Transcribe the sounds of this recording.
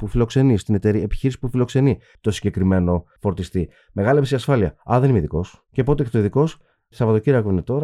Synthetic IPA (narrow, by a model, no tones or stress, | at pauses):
pufilo̞kse̞nist̪inet̪e̞ɾiepi̥çiɾisi̥pufilo̞kse̞ni | t̪o̞siɲɟe̞kɾime̞no̞fo̞ɾt̪ist̪i | me̞ɣɐlepsiɐsfɐliɐɐðenimeiðiko̞s | cepo̞t̪eeçt̪oiðiko̞s | sɐvɐðociɾɐkuinet̪o̞ɾɐ